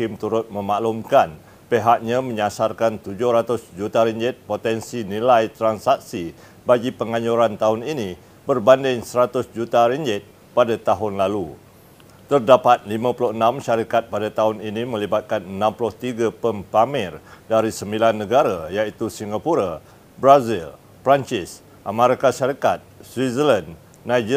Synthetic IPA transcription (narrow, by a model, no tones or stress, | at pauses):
kɪmt̪uɾʊt̪̚mə̃maʔlumkan | peɦak̚ɲãmə̃ɲasarkant̪ud͡ʒʊhɾat̪ʊsd͡ʒut̪aɾiɲd͡ʒɪt̪̚pot̪ɛnsinilajt̪ɾansak̚si | baɡipəŋaɲuɾant̪aɦʊninĩ | bərbandɪŋsəɾat̪ʊsd͡ʒut̪aɾiɲd͡ʒɪt̪̚ | padat̪aɦʊnlalu | t̪ərdapat̪̚limãpulʊənãmʃaɾikat̪̚padat̪aɦʊninĩmə̃libat̪̚kanənãmpulʊht̪iɡapəmpamɪrdaɾisəmbilanːə̃ɡaɾajait̪usiŋɡapuɾa | bɾazil | pɾant͡ʃɪs | ʔamaɾikaʃaɾikat̪̚swizəlan | nad͡ʒ